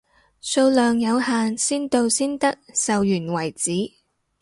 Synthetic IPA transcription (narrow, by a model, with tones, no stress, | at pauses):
so˧wlœː˨ŋjɐ˨˧whaː˨nsiː˥nt̪o˧wsiː˥nt̪ɐ˥k̚sɐ˨wjyː˨˩nwɐ˨˩jt͡siː˨˥